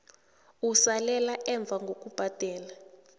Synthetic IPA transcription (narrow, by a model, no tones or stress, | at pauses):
usalɛlaʔɛɱb̪vʱaŋɡʱok̬ʼub̥ʱad̥ʱɛːla